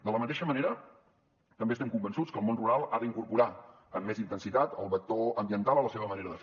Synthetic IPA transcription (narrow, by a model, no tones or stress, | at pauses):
d̪ələmət̪eʃəməneɾə | t̪əmbest̪ɛmkumbənsut͡skəːlˠmonruɾalˠaðəiŋkurpuɾa | əmːezint̪ənsit̪at̪ə̰lˠβək̚t̪oəmbiənt̪alˠələseβəməneɾəðəf